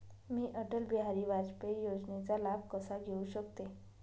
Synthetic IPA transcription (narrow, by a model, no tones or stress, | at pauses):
miːʔəʈəlbiɦaɾiːʋad͡zpejod͡znet͡salab̚kəsaɡʱeuɕəkt̪e